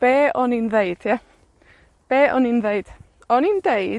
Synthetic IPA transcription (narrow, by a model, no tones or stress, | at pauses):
b̥eːɔninðeɨd̥tʰia | b̥eːʔɔninðeɨd̥ | ɔnindeɨ